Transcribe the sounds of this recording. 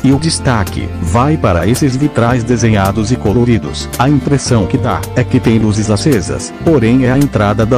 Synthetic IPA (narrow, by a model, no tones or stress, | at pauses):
ɪʊd͡ʒist̪akɪ̰vajpaɾɐesɪzvit̪ɾajzd̪ezẽɲad̪ʊzɪkoloɾid̪ʊ̰s | ɐĩpɾesɐ̃w̃kɪd̪a̰ | ɛkɪt̪ẽj̃luzɪzlasezɐ̰s | poɾẽj̃ɛɐẽnt̪ɾad̪ɐd̪ɐ